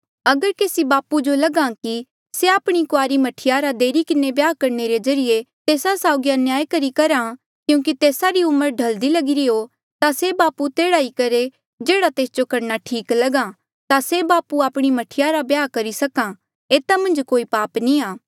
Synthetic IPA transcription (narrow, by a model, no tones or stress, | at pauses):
ɐɡəɾkeːsibaːpud͡ʒolɐɡãki | seaːpɽ̃ikʊaːɾimɐʈʰɪjaɾad̪eːɾikɪnebjaːkɐɾneɾed͡ʒɐɾɪjet̪eːsasaːʊɡjanjaːjkɐɾikɐɾã | kjũːk̬it̪eːsaɾiʊməɾɖʱɐld̪ilɐɡɪɾiɦo | t̪asebaːput̪eːɽaːikɐɾe | d͡ʒeːɽat̪eːsd͡ʒokɐɾnaʈʰiːklɐɡã | t̪asebaːpuaːpɽ̃imɐʈʰɪjaɾabjaːkɐɾisɐkã | eːt̪amɐ̃nd͡ʒkoːipaːpniaː